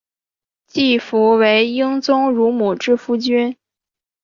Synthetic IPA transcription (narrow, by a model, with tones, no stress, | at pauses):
t͡ɕi˥˩fu˧˥we˧˥ɪi˥ŋt͡sʊ˥ŋɻu˧˥mu˨˩ʈ͡ʂɻ̩˥˩fu˥t͡ɕy˥n